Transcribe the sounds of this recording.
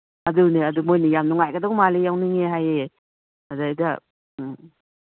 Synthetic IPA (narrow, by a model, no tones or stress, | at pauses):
ɐduniɐdumojnijamnuŋajɡadawmalijawniŋeɦajee | adaijda̰